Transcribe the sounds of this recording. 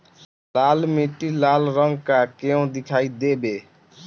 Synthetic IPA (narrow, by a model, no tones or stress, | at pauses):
lalmiʈilalɾəŋɡkakeõd̪ikʰaid̪ebe